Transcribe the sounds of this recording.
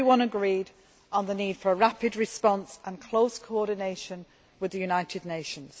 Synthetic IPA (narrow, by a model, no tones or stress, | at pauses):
wʌ̃nəɡɹiːd | n̩ðəniːd̥fəɹəɹapɪdɹɪspɒ̃nsə̃nkʰl̥oʊskʰoʊɔˑdⁿɪneɪʃə̃n | wɪðəjʉnaɪtʰɪdⁿneɪʃə̃nz̥